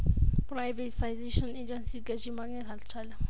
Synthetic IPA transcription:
prajvɛtfajzeʃɔned͡ʒɛnsiɡad͡ʒimaŋɛtalt͡ʃʰala

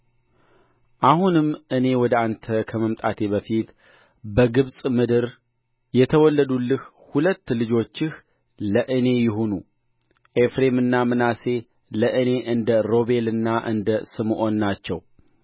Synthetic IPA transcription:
ʔahunɨmʔɨne̞wɔd̪əant̪ʰəkʰəməmt̪ʼat̪ʰe̞βəfit̪ | bəɡɨβsʼmɨd̪ɨɾ | jɛt̪ʰəwɔlːəd̪ulːɨh | hulət̪ːlɨd͡ʒo̞t͡ʃːɪh | ləʔɨne̞jɪɦo̞nu | ʔefɾe̞mɨnːamɨnase̞ | ləʔɨne̞ʔɨnd̪əɾo̞βe̞lɨnːaʔɨ̰nd̪əsɨmʔo̞nːat͡ʃːɛw

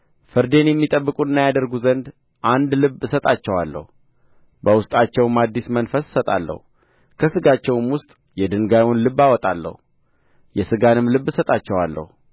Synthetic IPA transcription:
fɨɾd̪e̞njɛmːit̪ʼəbːɨkʼuɨnːajad̪əɾɡuzənd̪ | ʔand̪lɨβsət̪ʼat͡ʃːɛwalːə̰hu | bəwʊst̪ʼat͡ʃːɛwɨmad̪ːismənfəssət̪ʼa̰lːə̰hu | kʰəsɨɡat͡ʃːɛwmwʊst̪ʼ | jɛd̪ɨŋɡajwɔnlɨβːawɔt̪ʼalːə̰hu | jɛsɨɡanɨmlɨβːɨsət̪ʼat͡ʃːɛwa̰lːə̰hu

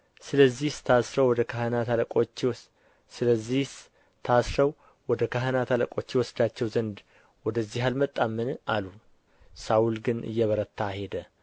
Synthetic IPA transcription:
sɨləzːiht̪ʰasɾəwɔd̪əkʰahənat̪ʰaləkʼot͡ʃː | sɨləzːih | t̪ʰasɾəw | wɔd̪əkaɦənat̪ʰaləkʼo̞t͡ʃːjɛwɔsd̪at͡ʃːɛwzənd̪ | wɔd̪əzːihalmət̪ʼːamːɨnalu | sawulɡɨnʔɨ̰jːɛβəɾət̪ʰːahe̞d̪ə

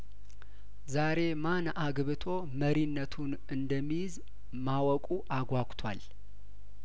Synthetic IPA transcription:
zaɾe̞manʔaɡβɨt̪ʰo̞ | məɾinːət̪ʰun | ɨnd̪əmːijz | mawɔkʼuʔaɡʷakʷʼt̪ʰwa̰l

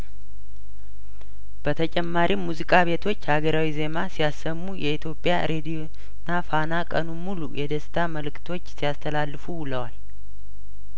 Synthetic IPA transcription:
b̥ət̪ʰət͡ʃʼɛmːaɾʔimːuzikʼaβe̞t̪ʰo̞t͡ʃːhaɡəɾawize̞masijasːəmːujɛit̪ʰjo̞pʼːjaɾe̞d̪ijo | nːafanakʼənumulujʔɛd̪əst̪ʰaməlɨkt̪ʰo̞t͡ʃːsijast̪ʰəlalːɨfuwʊləwal

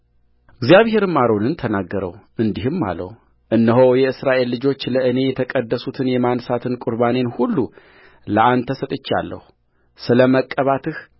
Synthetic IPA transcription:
ʔɨɡzijaβhe̞ɾɨmːaɾo̞nɨnt̪ʰənaɡːəɾə̰wʔɨnd̪iɦɨmːa̰lə̰w | ʔɨnːəɦowjɛɨsɾaʔe̞lːɨd͡ʒo̞t͡ʃːləʔɨne̞jɛt̪ʰəkʼəd̪ːəsut̪ʰɨnjɛmansat̪ʰɨnkʼuɾβane̞nhulːu | ləʔant̪ʰəsət̪ʼɨt͡ʃːa̰lːə̰hu | sɨləməkʼːəβat̪ʰɨh

